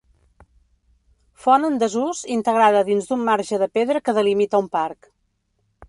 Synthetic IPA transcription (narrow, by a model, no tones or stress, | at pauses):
fɔnənd̪əzuzint̪əɣɾaðəðinzd̪umːaɾʒəðəpeðɾəkəðəlimit̪əumpaɾk